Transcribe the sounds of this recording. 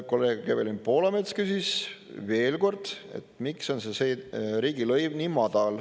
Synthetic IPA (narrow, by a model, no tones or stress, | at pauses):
ko̞lːe̞ːɡ̥kebelimpo̞ːlɑmet̪skysisve̞ːlko̞rd̪̥e̞̰t̪mikso̞nseseɾiːɡilɤjvnimɑd̪̥ɑl